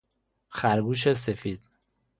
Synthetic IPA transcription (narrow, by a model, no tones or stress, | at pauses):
xæɾɡuːʃ̬es̬efiːd̪̥